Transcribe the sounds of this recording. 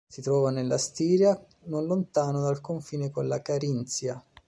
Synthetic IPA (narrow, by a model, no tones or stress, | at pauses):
sit̪ɾɔːvanelːast̪iːɾja | nonlont̪aːnod̪alkoɱfiːnekonlakaɾint̪sja